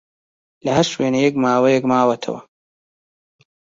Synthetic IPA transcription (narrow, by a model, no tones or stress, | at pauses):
lɐɦɐɾʃweːnɐjɛk̚maːwɐjɛkmaːwɐt̪ʰɐ̰wɐ̰